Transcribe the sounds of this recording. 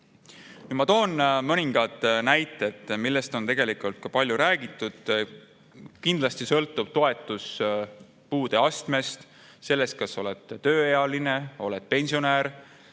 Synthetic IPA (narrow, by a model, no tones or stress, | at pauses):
kimɑt̪o̞ːnmɤnʲiŋɡ̥ɑt̪næjt̪ːˑe̞t̪milːe̞st̪o̞nt̪e̞ɡ̥e̞likult̪̚kɑpɑlʲjuɾæːɡ̥it̪ːˑud̪̥ | kind̪̥lɑst̪isɤlt̪ːˑub̥̚t̪o̞e̞t̪ːˑus | puːd̪̥e̞ɑst̪me̞st̪ | se̞lːe̞st̪̚kɑso̞let̪t̪ø̞ːeɑline̞o̞le̞t̪̚pe̞nʲsio̞næːɾ